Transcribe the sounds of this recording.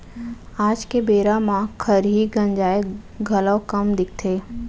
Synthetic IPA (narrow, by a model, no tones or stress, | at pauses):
aːd͡ʒkebeːɾamãkʰəɾɦiɡɐ̃nd͡ʒaːeɡʱɐləwkəmd̪ɪk̚ʰt̪ʰeː